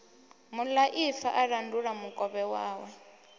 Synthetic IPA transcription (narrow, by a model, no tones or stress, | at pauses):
mulaʔifa̰ʔaɺanduɺamukʼɔβɛwaːwɛ